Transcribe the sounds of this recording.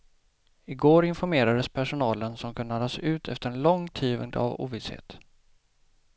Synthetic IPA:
ɪɡoːɾɪnfɔɾmeːɾad̪əspʰæʂʊnɑːlənsɔmkʰɵnːad̪ɑsʉ̟ːt̪ʰɛ̰ft̪əɾɛnlɔŋt̪ʰiːvə̰ŋd̪əa̰vṵːvɪshḛːt̪

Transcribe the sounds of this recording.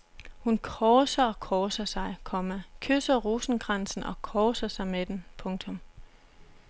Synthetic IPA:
hunkʰɒːsɐɒ̽kʰɒːsɐsɑ̈ɪkʰɒ̽mækʰøsɐʁuːsn̩ɡ̥ʁɑnsn̩ʔɒ̽kʰɒːsɐsɑ̈ɪmed̥enpʰɔ̽ŋt͡sʰɔ̽m

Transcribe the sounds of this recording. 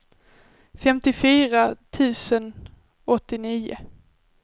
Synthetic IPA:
fɛmt̪ɪfyːɾat̪ʰʉ̟ːsən | ɔt̪ːɪniːʊ̰

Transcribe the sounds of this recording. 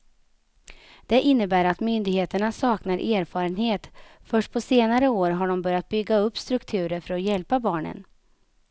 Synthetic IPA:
d̪̥ɛʔɪnːəbæːɾat̪mʏnd̪ɪɡheːt̪əɳasɑːknaɾʔeːɾfɑːɾənheːt̪fœʂʈ̚pʰɔseːnaɾəoːɾɦaɖɔmbœɾjat̪̚bʏɡːaɵpːst̪ɾɵkt̪ʰʉ̟ːɾəɾfœɾɔjɛlpabɑːɳə̰n

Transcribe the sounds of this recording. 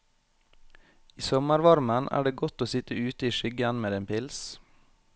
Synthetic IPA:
iːsɔməɾʋɑɾmənʔæ̰ːɖeːɡɔt̪oːsɪt̪əʉːt̪əiːʃʏɡənmeːd̪eːnpɪls

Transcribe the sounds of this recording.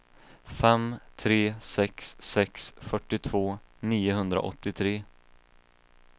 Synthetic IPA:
fɛmt̪ʰɾeːsɛksːɛksfœʈːɪt̪ʰvoːniːʊɦɵnd̪ɾa̰ʔɔ̰t̪ːɪt̪ʰɾeː

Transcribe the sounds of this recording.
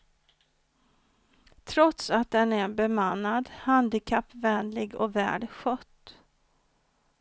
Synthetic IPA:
t̪ʰɾɔt̪sat̪̚d̪ɛnæɾbɛmanːad̪hand̪ɪkʰapːvɛnlɪɡɔ̰væ̰ːɖɧœt̪ː

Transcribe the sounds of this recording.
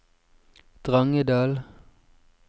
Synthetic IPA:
d̪̥ʁɑŋəd̪ɑːl

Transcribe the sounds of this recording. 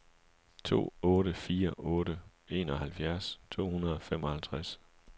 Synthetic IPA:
t͡sʰo̝̰ːɔ̽ːɾəfiːɐʔɔ̽ːɾə | e̝ːnɒ̽hælfjæɐst͡sʰo̝̰ːhunɐð̞ˠɒ̽fem̰ɒ̽hælt͡sʰʁas

